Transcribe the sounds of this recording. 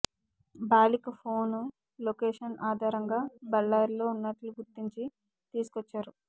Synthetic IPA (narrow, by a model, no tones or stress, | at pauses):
baːlikɐpʰo̞ːnu | lokeːʂɐnaːd̪ʱaːɾɐŋɡaːbɐlːaːɾlo̞ːunːɐʈluɡuɾt̪ːiɲt͡ʃi | t̪iːsu̥kɔt͡ʃːaːɾu